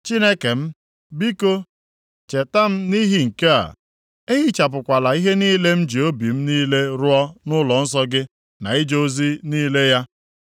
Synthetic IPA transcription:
t͡ʃi˦ne˦ke˨m̩˦ | bi˦ko˦ | t͡ʃe˨ta˦m̩˦ni˦ɦi˨ŋ̩˨ke˦a̰˨ | e˦ɦi˦t͡ʃa˨p̬ʊ˨kʷa˨la˨i˦ɦe˦niː˦le˦m̩˦d͡ʒi˨o˦bi˨m̩˦niː˦le˦ɾʊ˦ɔ˦nʊ˦lɔ˨n̩˦s̬ɔ˦ɡɪ˦ | na̰˨i˦d͡ʒo˦zi˦niː˦le˦ja˦

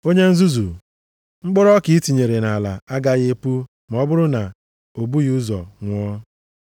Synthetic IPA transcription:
o˦ɲe˦n̩˦zu˦zu˨ | ŋ͡m̩˦k͡pʊ˦ɾɔ˦ki˨˦i˦ti˨ɲe˨ɾe˨na˨la̰˨a˦ɡa˦ɣe˦pu˦ | m˨ɔ˦bʊ˦ɾʊ˦na˨ | o˨bu˦ɣu˦zɔ̰˨ŋʷ˦ɔ˦

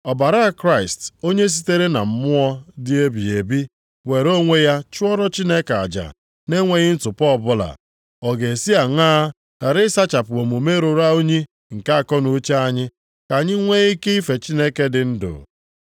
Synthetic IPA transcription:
ɔ˨ba˨ɾa˦a˨kɾa˦ɪ˨sto˦ɲe˦s̬i˦te˦ɾe˦na̰˨m̩˦mʊ˦ɔ˦dɪ˦e˦bi˨e˨bi˦ | we˨ɾo˦ŋʷe˦ja˦t͡ʃʊ˦ɔ˦ɾɔ˦t͡ʃi˦ne˦ka̰˨d͡ʒa̰˨ | ne˦ŋʷe˨ɲɪ˦n̩˦tʊ˨pɔ˦ɔ˦˨bʊ˦la̰˨ | ɔ˨ɡe˨si˦a˨ŋaː˦ | a˨ɾɪ˦sa˦t͡ʃa˨pʊ˨o˨mu˨me˦ɾo˨ɾa˦o˦ɲi˦ | ŋ̩˨ka˦a˨kɔ˦nu˨˦t͡ʃa˦a˦ɲɪ˦ | ka˨ɲɪ˦ŋʷe˦i˦ke˦i˦fe˨t͡ʃi˦ne˦ke˦dɪ˨n̩˦dʊ̰˨

